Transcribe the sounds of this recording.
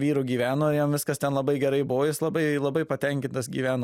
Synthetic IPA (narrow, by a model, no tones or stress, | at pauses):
ʋʲiːɾʊɡʲiːʋʲæːnoːɪɾjɛmʋʲɪskɐst̪ʲɛnlˠɐbɐɪɡʲɛɾɐɪbʊʋoːjɪslˠɐbɐɪlˠɐbɐɪpɐt̪ʲɛŋʲkʲɪnt̪ɐsɡʲḭːʋʲæːno